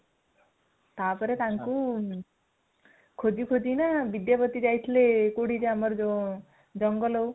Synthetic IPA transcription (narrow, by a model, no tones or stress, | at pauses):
t̪apɔɾet̪aŋku | kʰod͡ʒikʰod͡ʒinabid̪japɔt̪id͡ʒajt̪ʰilekoɽid͡ʒeamɔɾɔ | d͡ʒɔŋɡɔlɔw